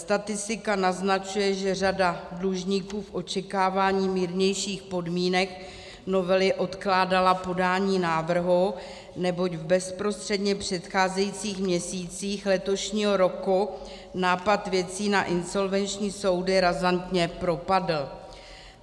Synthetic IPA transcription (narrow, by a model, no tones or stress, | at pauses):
st̪at̪ɪst̪ɪkanaznat͡ʃujɛʒɛradadluʒɲiːkuːfʔo̞t͡ʃɛkaːvaːɲiːmiːɾɲɛjʃiːxpo̞dmiːnɛk | no̞vɛlɪʔo̞t̪klaːdalapo̞daːɲiːnaːvr̩ɦu | nɛbo̞cvbɛspɾo̞st̪r̝̥ɛdɲɛpr̝̥ɛt̪xaːzɛjit͡siːxmɲɛsiːt͡siːxlɛt̪o̞ʃɲiːɦo̞ɾo̞ku | naːpat̪vjɛt͡siːnaʔɪnso̞lvɛnt͡ʃɲiːso̞wdɪɾazant̪ɲɛpɾo̞padl̩